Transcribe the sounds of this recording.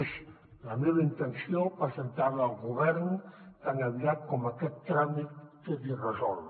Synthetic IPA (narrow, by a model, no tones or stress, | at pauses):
z | ləmeβəint̪ənsiopəzənt̪aβːlˠɣuβɛɾnk̪aŋaβiat̪̚kɔmakɛt̪ːɾamit̪ːot̪irəzɔl